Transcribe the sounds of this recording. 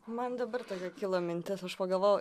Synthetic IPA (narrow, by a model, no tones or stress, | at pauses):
mɐnd̪ɐbɐɾt̪oːkʲɛkʲɪlˠoːmʲɪnʲt̪ʲɪsɐʃpɐɡɐlˠʋoːj